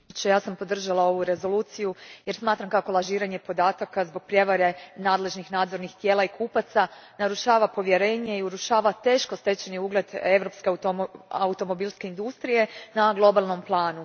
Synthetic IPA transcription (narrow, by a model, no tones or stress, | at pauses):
t͡ɕejaːsampo̞d̪r̩ʒalˠao̞ʋuɾe̞zo̞luːt̪sijuje̞ɾsmaːt̪ɾamkako̞lˠaʒiːɾaɲe̞po̞d̪aːt̪akazbo̞ɡ̥̚pɾje̞ʋaɾe̞naːd̪le̞ʒnixnaːd̪zo̞ɾnixt̪je̞ːlaikʰuːpat̪sanaɾuʃaːʋapo̞ʋje̞ɾe̞ːɲe̞iuɾuʃaːʋat̪e̞ːʃko̞st̪e̞t͡ɕeniuɡle̞d̪e̞ʋɾo̞pskea̰ut̪o̞mo̞bilˠske̞ind̪ust̪ɾije̞naɡlˠo̞balˠno̞mplˠaːnu